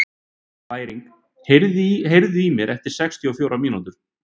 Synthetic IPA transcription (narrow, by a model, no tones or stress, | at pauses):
vaːjɾiŋk | heɾðɦejɾðʏimjɛɾʔɛft̪ɪɾ̥sɛkst̪ʰiɔfjoːwɾamiːnant̪ʏɾ̥